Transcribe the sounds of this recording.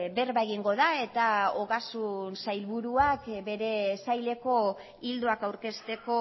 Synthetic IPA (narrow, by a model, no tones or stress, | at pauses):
be̞ɾβaɣiŋɡo̞ðae̞t̪aoɣasunsajlβuɾuakbe̞ɾe̞sajle̞ko̞ | ild̪uakawɾke̞st̪e̞ko̞